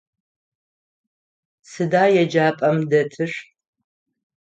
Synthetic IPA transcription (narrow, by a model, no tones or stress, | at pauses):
sɨdaːjɛd͡ʒaːpʼɐmdɐtʰɨʂ